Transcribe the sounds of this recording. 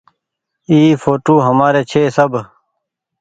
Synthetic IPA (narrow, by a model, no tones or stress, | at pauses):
iːfoːʈoːɦəmaːɾeːt͡ʃʰeːsəb